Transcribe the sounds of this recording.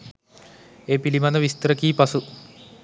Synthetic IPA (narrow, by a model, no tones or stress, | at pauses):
eːpilimanəʋist̪əɾəkiːpasu